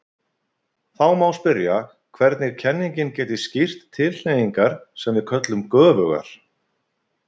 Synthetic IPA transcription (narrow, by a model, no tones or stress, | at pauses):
θawmawspɪɾja | kʰvɛɾt̪nɪɾ̥cʰɛnːiŋcɪncɛːt̪ɪscir̥t̪ʰːɪllejiŋkaɾ̥sɛmvɪðkʰœt̪lʏmkœːvœɣa̰ɾ̥